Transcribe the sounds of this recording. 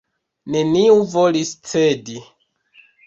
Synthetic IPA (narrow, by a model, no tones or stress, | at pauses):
ne̞niuvolist͡sedi